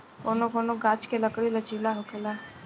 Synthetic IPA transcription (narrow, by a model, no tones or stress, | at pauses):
onõkoːnõɡat͡ʃkeləkɽilət͡ʃiːlaɦʊkəlaː